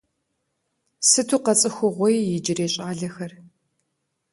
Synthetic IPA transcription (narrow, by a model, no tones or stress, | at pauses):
sɨtʰuːqɐt͡sʼɨxʷʊʁʷɔjjɪd͡ʒɪreːɕʼaːɮɐxɐr